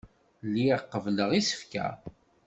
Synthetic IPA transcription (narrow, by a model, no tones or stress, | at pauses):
lːiqːəvləʁisə̥fkæ̰